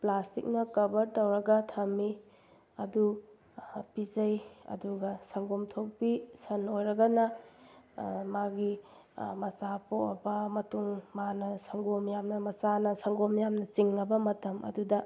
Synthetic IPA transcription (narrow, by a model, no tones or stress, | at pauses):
plastḭk̚nɐkɐbɐɾtɐwɾɐɡɐtʰɐmi | ɐdu | pizɐjɐ̰duɡɐsɐŋɡomtʰok̚bisɐnojɾɐɡɐnɐ | maɡi | mɐsapʰoʔɐ̰bɐmɐtuŋmanɐsɐŋɡomjamnɐmɐt͡ʃanɐsɐŋɡomjamnɐt͡ʃiŋːɐbɐmɐtɐmɐ̰dudɐ